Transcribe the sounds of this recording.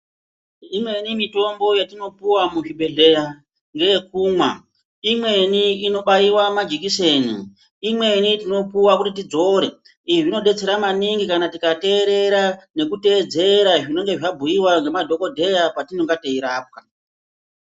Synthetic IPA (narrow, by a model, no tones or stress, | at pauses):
imwe̞nimito̞mbo̞jatino̞puwamuʐiɓe̞ɮe̞ja | ŋɡejekuːmwa | imwe̞niːno̞ɓaiwamad͡ʒik̬ise̞ːnu | imwe̞nitino̞puwakutit̬id͡zo̞ɾe̞̰ | iʐino̞ɗe̞t͡se̞ɾamaniŋɡikanatikate̞ːɾe̞ɾane̞kute̞ːd͡ze̞ɾaʐino̞ŋɡe̞ʐabʱujiwaŋɡe̞madʱo̞ko̞dʱe̞japatino̞ŋɡateiɾaːp̚ka